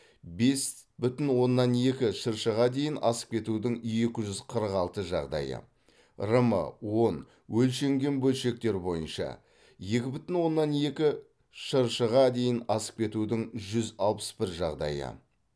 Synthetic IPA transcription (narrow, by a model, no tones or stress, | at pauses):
be̞s | bʏt̪ɪnwo̞nːɑne̞kʲɪʃəɾʃəʁɑd̪e̞jɪnɑsə̥q̚kʲʰe̞t̪ud̪ɪŋje̞kʲɪʒʏzqʰəɾəqɑlˠt̪əʒɑ̰ʁd̪ɑ̰jə̰ | rəmə̰wo̞n | wʔɵlʃe̞ŋɡʲe̞nbɵlʃe̞k̚t̪e̞ɾbo̞jənʃɑ̰ | je̞kʲɪbʏt̪ɪnwo̞nːɑne̞kʲɪ | ʃəɾʃəʁɑd̪e̞jɪnɑsə̥q̚kʲʰe̞t̪ud̪ɪŋʒʏzɑlˠpə̥sbɪɾʒɑʁd̪ɑ̰jə̰